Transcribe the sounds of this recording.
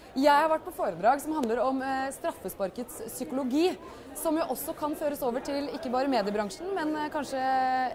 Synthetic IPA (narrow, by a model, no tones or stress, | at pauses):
jæɪhɑɾʋæʈ̚ːpʰɔfoːɾəd̪ɾɑːɡsɔmɦɑnd̪ləɾɔmst̪ɾɑfːəspɑɾkət̪sːʏkʊlʊɡiː | sɔmjʊʔɔsːɔkʰɑnføːɾəsoːʋəʈʰɪlɪkːəbɑːɾəmeːd̪ɪəbɾɑŋʂn̩mɛnkʰɑnʂə